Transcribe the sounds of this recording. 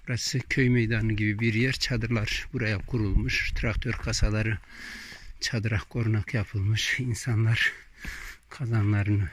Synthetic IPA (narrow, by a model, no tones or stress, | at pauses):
bɾɑsɨkʲʰøjmejd̪ɑnɯɡʲibibiɾjeɾt͡ʃʰɑd̪ɯɾlˠɑɾbuɾɑjɑp̚qʰuɾulˠmɯʃt̪ʰɾɑk̚t̪ʰøɾqʰɑsɑlˠɑɾɯ | t͡ʃʰɑd̪ɾɑqqoɾnɑqʰjɑpʰɯlˠmɯʃinsɑnlˠɑɾ | qʰɑzɑnlˠɑɾɯnɯ